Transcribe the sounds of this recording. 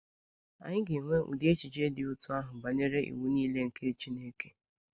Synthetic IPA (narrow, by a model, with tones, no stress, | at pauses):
a̰˨ɲɪ˦ɡɪ˨ŋʷe˦ʔṵ˨di˦e˦t͡ʃi˨d͡ʒe˦dɪ˨ʊ˦tʊ˦a˦ɦʊ˨ba˨ɲe˦ɾe˦ʔḭ˨wu˦niː˦le˦ŋ̩˨kʰe˦t͡ʃi˦ne˦ke˦